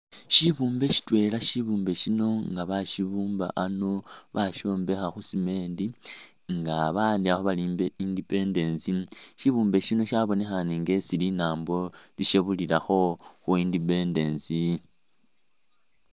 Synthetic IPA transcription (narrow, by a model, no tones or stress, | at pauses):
ʃiβuːmbe̞ʃi̥twe̞laʃiβuːmbe̞ʃino̞ŋɡaβaʃiβuːmba̰ʔano̞βaʃo̞ːmbe̞xaxusime̞ːndi | ŋɡaβaːndiaxoβaliːmbeindipe̞nde̞nsiʃiβuːmbe̞ʃino̞ʃaβo̞ne̞xaniŋɡe̞silinaːmbo̞liʃeβulilaxo̞xuindipe̞nde̞nsi